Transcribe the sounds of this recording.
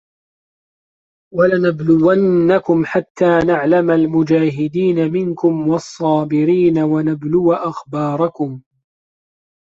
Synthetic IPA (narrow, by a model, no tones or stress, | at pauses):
walanablʊwanːakʊmħat̪ːaːnaʕlamalmʊd͡ʒaːɦɪd̪iːnamɪŋkʊmwɑsˤːɑːbɪɾiːnawanablʊwaʔaxbɑːɾˤɑkʊm